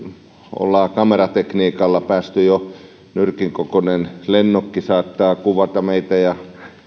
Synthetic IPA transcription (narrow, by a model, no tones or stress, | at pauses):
o̰lːɑːkɑmerɑt̪ekniːkɑlːɑpæːst̪yjo | nyrkiŋkokonenlenːokːisɑːt̪ːɑːkuʋɑt̪ɑmeit̪æjɑ